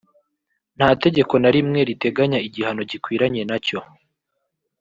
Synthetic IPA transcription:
n̥haːte̞ɟe̞ko̞naɾimŋe̞ɾite̞ɡaɲaiɟihano̞ɟikwiːɾaɲe̞naco̞

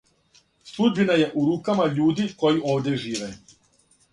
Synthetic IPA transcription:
sˠud̪binaje̞ʔuɾuːkamaʎuːd̪iko̞jiʔo̞ːʋd̪ʲje̞ʒiːʋe

